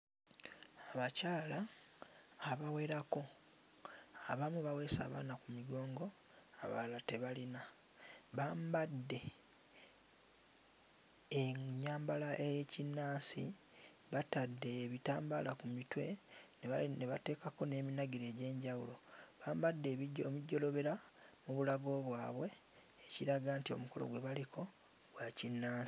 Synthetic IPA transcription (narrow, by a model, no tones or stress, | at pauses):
aβacaːlaː | βawe̞ːɾako̞ | aβamuβawe̞ːsa̰ːβa̰ːnakumiɡo̞ːŋɡo̞ | aβa̰late̞βalina | βaːmbadːe̞ | ɲaːmbalaʔejecinːaːsi | βatadːe̞ːβitaːmbalakumitwe̞neneβate̞ːkako̞ne̞ːminaɡiɾe̞ːɟe̞ːɲɟawulo̞βaːmbadːe̞βmiɟːo̞lo̞βe̞ɾamuβulaɡo̞βwaːβwe̞ː | ciɾaɡaːntio̞̰muko̞lo̞̰ɡwe̞βalikʰo̞ | ɡwacinːaːsi